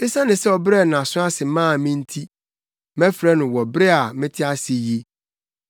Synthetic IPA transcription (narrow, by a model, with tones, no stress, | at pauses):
e˦sã˦nɪ̃˨sɛ˦ɔ˨bɾɛ˦˨nã˨sʊ̃˦a˦sɪ˨mãː˦˨mɪ̃˦n̩˦tʰi˦ | mɛ̃˦fɾɛ˦nʊ̃˨wɔ˨bɾɛ˦a˨mɪ̃˦tʰɪ˦a˦sɪ˨je˦